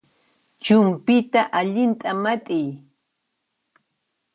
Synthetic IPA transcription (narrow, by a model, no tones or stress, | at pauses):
t͡ʃʊmpɪt̪aʔaʎɪnt̪ʼamat̪ʼɪj